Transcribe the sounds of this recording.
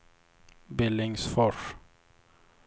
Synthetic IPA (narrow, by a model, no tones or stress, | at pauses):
bɪlɪŋsfɔʂ